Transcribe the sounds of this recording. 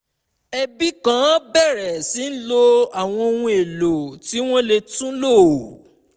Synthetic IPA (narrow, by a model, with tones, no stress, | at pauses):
ɛ˧bi˦kã˦bɛ˦˨ɾɛ˨si˨˦n̩˦lo˦a˨w̃ɔ̃˧o˧wũ˧˦e˨lo˨ti˨˦w̃ɔ̃˦le˧tũ˦lo˦˨